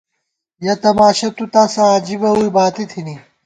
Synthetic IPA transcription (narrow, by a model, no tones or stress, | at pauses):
jɐt̪ɐmaːʃɐt̪ut̪aːsɐaːd͡ʑibɐuibaːt̪it̪ʰini